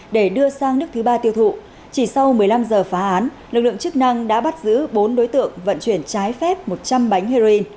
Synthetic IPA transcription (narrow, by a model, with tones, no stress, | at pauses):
ɗe˧˩ɗɨ˧əsaː˧ŋnɨ˦˥ək̚t̪ʰɨ˨˦ɓaː˧t̪i˧əwt̪ʰṵ˧˨ | t͡ɕi˧˩sa˧wmɨ˨˩əjla˧mzəː˨˩faː˨˦ʔaː˨˦n | lɨ˨˩k̚lɨ̰˧əŋt͡ɕɨ˦˥k̚na˧ŋɗa̰ː˧˥ɓa˦˥t̚zɨ̰˧˥ɓo˨˦nɗo˨˦jt̪ɨ̰˧˨əŋvə̰˧˨nt͡ɕwi˧˩ənt͡ɕaː˨˦jfɛ˦˥p̚mo˨˩t̚t͡ɕa˧mɓa˨˦jŋ̟he˧zo˧i˧n